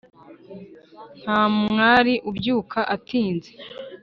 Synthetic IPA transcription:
n̥haːmmŋaːɾiʔubjuːkʰaʔatiːnze

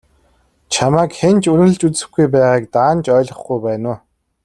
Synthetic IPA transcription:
t͡ɕʰamaːkxent͡ɕunɘ̆ɘ̆ɮt͡ɕut͡sɘ̆xɡujp̬æːʁaːk̚t̪aːnt͡ɕœːɮʁə̆χɡujpæːnʊː

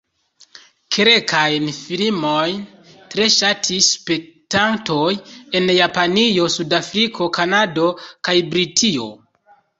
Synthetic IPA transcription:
kʰeɾe̞kʰajnfilimojn | tɾe̞ʃatʰispe̞k̚tantoje̞njapanio̞sudafɾikʰo̞kanado̞kajbɾitʰio̞̰

